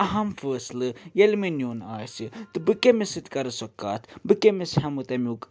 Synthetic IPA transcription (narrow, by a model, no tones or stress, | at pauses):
ɐɦɐmfəːslɨjelminjoːnaːjsit̪ɨbɨkemisɨt̪kɐɾɐsɐkːaːt̪ʰbɨkemishɐmɨt̪ɐmʲuk